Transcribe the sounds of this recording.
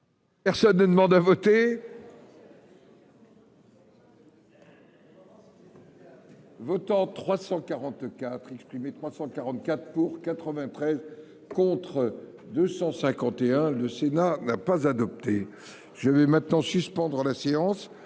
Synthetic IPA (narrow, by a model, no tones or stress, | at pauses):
pɛʁsɔnːəd̪əmɑ̃d̪avɔt̪e | vɔt̪ɑ̃t̪χwasɑ̃kaʁɑ̃t̪kat̪χɛkspχimet̪χwasɑ̃kaʁɑ̃t̪̚kʲat̪χpuʁkat̪χəvɛ̃t̪χɛz | kɔ̃t̪χə | d̪øsɑ̃sɛ̃kɑ̃t̪eɛ̃ləsenanapazad̪ɔp̚t̪e | ʒ̥əvɛmɛ̃t̪nɑ̃syspɑ̃d̪ʁəlaseɑ̃s